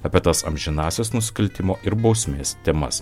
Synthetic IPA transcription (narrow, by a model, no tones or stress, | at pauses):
ɐːpʲiɛt̪ɐsɐ̰mʲʒʲɪnɑːsʲɛsnʊsʲɪ̥kɐlʲt̪ʲɪmoːʔɪɾbɒʊsʲmʲeːst̪ʲɛmɐ̰s